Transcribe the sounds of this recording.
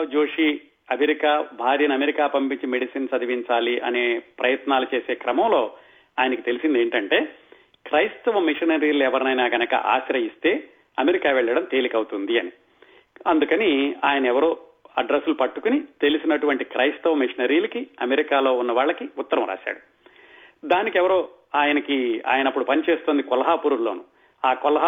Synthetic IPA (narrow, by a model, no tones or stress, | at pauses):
d͡ʒoːʂi | ɐmeɾikaːbʱaːɾjɐnɐmeɾikaːpɐmpiɲt͡ʃimeɽisinsɐd̪ʱɐʋiɲt͡ʃaːliʔɐ̰neːpɾɐjɐt̪naːlut͡ʃe̞ːse̞ːkɾɐmɐmlo̞ː | aːjɐnɐkit̪elisind̪eːɳʈɐɳʈe̞ː | kɾɐjst̪ɐʋɐmiʂɐnɐɾiːlɛʋɐɾnɐjnaːɡɐnɐkɐ̰ʔa̰ːʃɾɐist̪e̞ː | ɐmeɾikaːʋɛɭːɐɽɐmt̪e̞ːlikɐwt̪und̪iɐni | ɐnd̪ukɐniaːjɐnɐɛʋɐɾoː | ɐɖɾesːulupɐʈːukunit̪e̞lusinɐʈuʋɐɳʈikɾɐjst̪ɐʋɐmiʂɐnɐɾiːlɐkiɐmeɾikaːlo̞ːunːɐʋaːɭːɐkiʊt̪ːɐɾɐmɾa̰ːʃa̰ːɽu | d̪aːnikɛʋɐɾo̞ː | aːjɐnɐkia̰ːjɐnɐpːuɽupɐnit͡ʃeːst̪oːnd̪ikɔlɐɦaːpuɾuɾlo̞ːnu | aːkɔlɐɦ